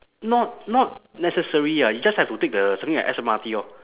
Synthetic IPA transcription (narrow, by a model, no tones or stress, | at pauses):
nɔt̚nɔt̚nɛsəsəɹiajud͡ʒashɛftutek̚dəsãmθĩŋla̰ʔɛsəmatiɔ